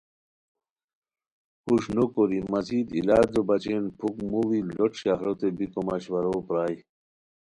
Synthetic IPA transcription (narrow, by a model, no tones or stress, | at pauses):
kuɕnokoɾimɐziːd̪ḭlaːd̪obɐt͡ɕenpʰukmuwiloʈʰɕaɦɾot̪ebikomaɕwɐɾoːpɾaːj